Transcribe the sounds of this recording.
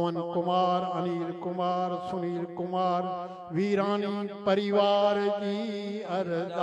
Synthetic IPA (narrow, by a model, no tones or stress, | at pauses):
ʋənkʊmaːɾɐniːɾkʊmaːɾsʊniːɾkʊmaːɾ | ʋiːɾãːnipɐɾɪʋaːɾd͡ʑiːɐɾd̪